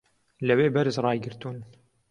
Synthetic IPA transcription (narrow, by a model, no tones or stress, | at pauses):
læweːbɐɾzɾˤɑːjɡɪɾt̪uːn